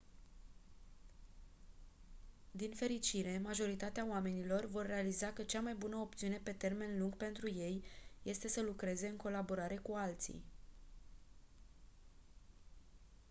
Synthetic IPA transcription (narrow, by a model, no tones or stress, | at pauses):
d̪infe̞ɾit͡ʃiɾe̞maʒo̞ɾit̪at̪eaoame̞nilo̞rvo̞rːe̞alizakət͡ʃamajbunəop̚t̪siune̞pe̞t̪e̞rme̞nluŋɡpe̞nt̪ɾuje̞jje̞st̪e̞səlukɾe̞ze̞ɨŋko̞labo̞ɾaɾe̞kualt̪sḭj